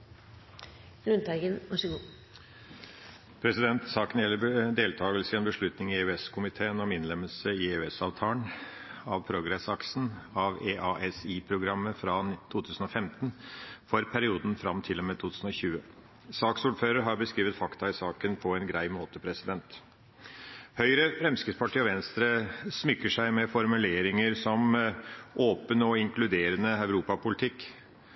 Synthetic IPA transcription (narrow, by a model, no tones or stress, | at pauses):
lʉnt̪ʰæɪɡənʋɑʂəɡuː | pʰɾɛsɪd̪ɛnt̪sɑːkənjɛlːəd̪eːlt̪ʰɑːɡəlsəɪɛːnbəʂɭʉt̪nɪŋɪeʉɛskʰʊmɪt̪ʰeːənɔmɪnlɛməlsəɪeʉɛsɑːʋt̪ʰɑːəɳɑʋpʰɾʊɡɾɛsɑksn̩ɑʋeːʔɑʔɛsiːpʰɾʊɡɾɑmːəfɾɑt̪ʰuːt̪ʰʉːsən̩ɔfɛmt̪nfɔɾpʰæɾɪuːd̪n̩fɾɑ̰mt̪ʰɪlːɔmɛːt̪ʰuːt̪ʉːsn̩ɔɕʉːə | sɑːksuːɖføːɾəɾɦɑɾbəskɾiːʋət̪fɑkt̪ɑɪsɑːkənpʰɔɛnɡɾæɪmoːt̪əpʰɾɛsɪd̪ɛnt̪ | hœʏɾəfɾɛmskəspʰɑʈʰiːɔʋɛnst̪ɾəsmʏkːəʂæɪmɛfɔɾmʉleːɾɪŋəɾsɔm | ʔoːpənəɔɪŋkʰlʉd̪eːɾənəœʉɾuːpɑpʊlɪt̪ʰɪkː